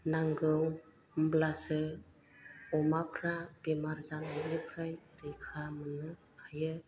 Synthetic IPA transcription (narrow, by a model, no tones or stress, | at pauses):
naŋɡɯw | mblasɯ | ɔmapʰɾabemaɾzanaɾepʰɾajɾɯjkʰamɯnɯ | ajɯ